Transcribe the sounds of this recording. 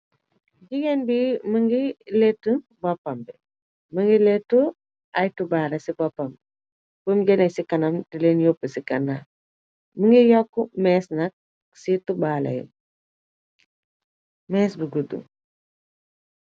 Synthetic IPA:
ɟiɡɛnbiməŋɡiletːə | bɔpːɐmbɛ | məŋɡiletːu | ʔɐjtubaːlɐsibɔpːɐmb | bumɟɛnɛsikɐnɐmtilenjopːəsikɐnːaː | məŋɡijɔkːumɛːsnɐk̚ | situbaːlɐ̰j̰ | mɛːsbəɡudṵ

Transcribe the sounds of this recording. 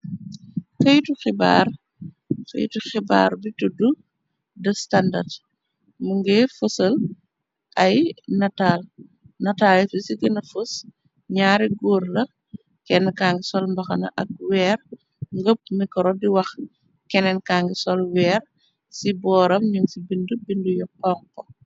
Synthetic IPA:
kɐjtuxiba̰ːr | kɐ̰j̰tuxiba̰ːɾbitudu | dɐstanda̰rd | muŋɡɛfəsɐl | ʔɐjnɐtaːl | nɐtaːlɛfisiɡɐnɐfus | ɲaːɾiɡuːɾlɐ | kɛnːkaːŋɡisɔlmbɐxɐnɐ̰ʔɐ̰k̚wɛːr | ŋɡəp̚mikɔɾɔdiwɐx | kɛnɛnkaːŋɡisɔlwɛːr | sibɔːɾɐmɲuŋsibindubindujɔkɔːŋkɔ

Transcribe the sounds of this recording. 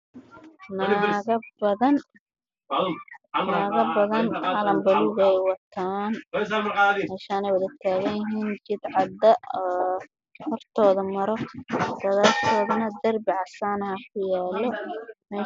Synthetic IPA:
naːɣɐbɐðɐn | naːɣɐbɐðɐnʕɑlɐmbɐlɪɣɛjwɐt̪ʰaːn | mɛːʃaːnɛjwɐðɐt̪ʰaːɣɐjjɪɦiːnt͡ʃɪd̪ʕɑd̪ɐɔː | hɔrt̪ʰɔːðɐmɐɾɔd̪̥ɐðaːlkʰɔːðɐnɐd̪ɐrbɪʕɑsaːnɐhɐkʰʊjaːlɔmɛː

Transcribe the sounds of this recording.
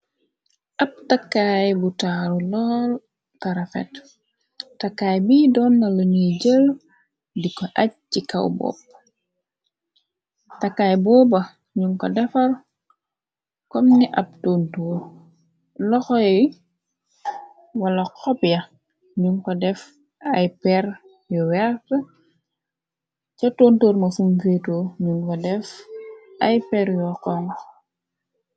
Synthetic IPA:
ʔɐp̚takːajbutaɾulɔl | taɾɐfɛ̰t | takːaːjbiːdɔːnːɐloɲuɟəl | dikɔʔɐc̚cikɐwbɔ̰ːp̚ | tɐkːaːjbɔːbɐ | ɲuŋkɔdɛfɐl | kɔmniʔɐp̚toːntoːr | lɔxɔɛj | wɐlɐqɔpjɐ | ɲuŋkɔdɛf | ɐjpɛɾ | jɔwɛrt | t͡ʃɔtontoːɾmɐfumfeːtoːɲuŋkɔdɛf | ɐjpɛɾjɔkɔm

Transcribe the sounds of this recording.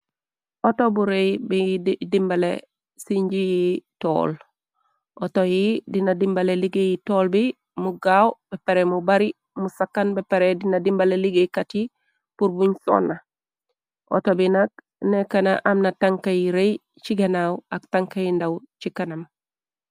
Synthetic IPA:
ʔotobuɾejbidimbale | siɲɟijito̰ːl | ʔotojidinadimbaleliɡejitoːlbi | muɡawb̥epeɾemubaɾi | musakːanbepeɾedinadimbaleliɡejkati | puɾbuɲso̰nːa | ʔo̰tobinak̚ | nekanaʔamnataŋkajiɾej | t͡ʃiɡanawak̚taŋkajindawt͡ʃikanam

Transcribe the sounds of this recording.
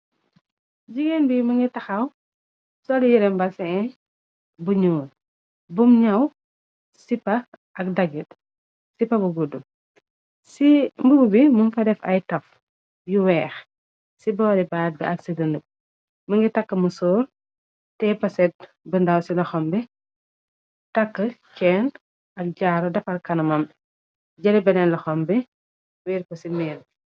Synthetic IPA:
d͡ʒiɡenbimɐŋɡitɐxɐw | sɔlijiɾɛmbɐsɛɛ | buɲuːl | bumɲɐw | sipːɐʔɐk̚dɐɡit | sipɐbuɡudu | simbuɡubimumfɐdɛfɐ̰jtɐf | juwɛːx | sibɔːɾibaːt̚bɛ̰ɐksidɐnəp̚ | mɐŋɡitɐkːəmusɔːr | tɛpɐsɛt̚ | bɐndɐwsilɐxɔmbɛ | tɐkːəkɛːn | ɐk̚ɟaːɾɔdɐfɐrkɐnɐmɐm | ɟɐlɛbɛnɛnlɐxɔmbɛ | wiːɾkɔsimɛːl

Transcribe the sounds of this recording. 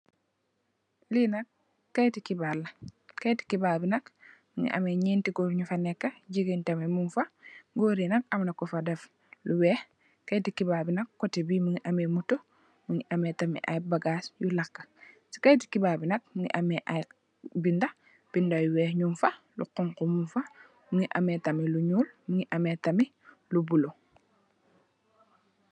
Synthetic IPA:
linɐkː | ajtikibalɐkajti̥kibabinɐkmiŋḭʔa̰meɲiːntiɡoɾɲufanɛkːaɟiɡentamemumfaɡoːɾinɐk̚amnakːɔfadɛf | luwɛh | kajtikibabinɐkːotebimuŋiʔamemuto | muŋiʔametamḭʔa̰jbaɡaːsjulakːḁ | si̥kɐjti̥kibabinɐk̚muŋḭʔameʔaj | binda | b̥indajuwɛːhɲumfa | lṵqɔŋkumumfa | muŋiʔa̰metɐmiluɲuːlmuŋiʔametɐmi | lubulu

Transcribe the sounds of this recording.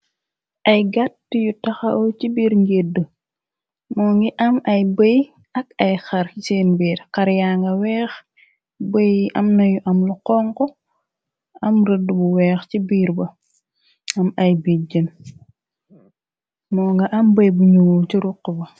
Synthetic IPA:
ʔɐjɡatːjutɐxɐʔɔcibiːɾŋɡedə | mɔːŋɡiʔɐmɐjbəj | ɐkɐjxɐɾiseːnbiːɾkɐɾjaŋɡɐwɛːx | bəjʔɐmnɐjuʔɐmluqɔŋkɔ | ɐmɾədəbuwɛːxcibiːɾbɐ | ɐmɐjbiɟən | mɔːŋɡɐʔɐmbɐjbuɲuwulciɾuqːəbɐ

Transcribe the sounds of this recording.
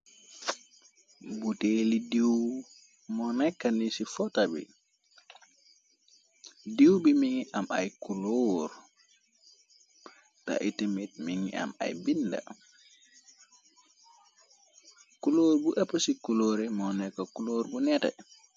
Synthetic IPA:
butelidiw | mɔnɛkːanisifɔtabḭ | diwbimiŋiʔama̰jkuloːɾ | ta̰ʔitimit̚miŋḭa̰ma̰jbinda̰ | kuloːɾbuʔɛpːasikuloːɾɛmɔnɛkːakuloːɾbunɛtɛ̰

